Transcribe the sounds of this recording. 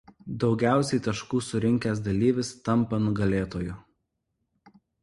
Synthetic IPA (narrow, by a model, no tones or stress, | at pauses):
d̪ɒʊɡʲæˑʊsʲɛɪt̪ɐʃkuːsʊɾʲɪŋʲkʲæːs̬d̪ɐlʲiːʋʲɪst̪ɐmˑpɐnʊɡɐlʲeːt̪oːjʊ